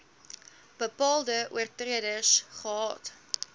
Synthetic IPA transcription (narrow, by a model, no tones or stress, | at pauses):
b̥əpɑːlˠdəʔṵərtriədəsχəɦɑːt